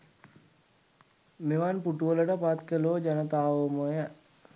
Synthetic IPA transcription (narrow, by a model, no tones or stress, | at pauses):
meʋanpuʈuʋələʈəpat̪kəlod͡ʒanət̪aːʋəmojə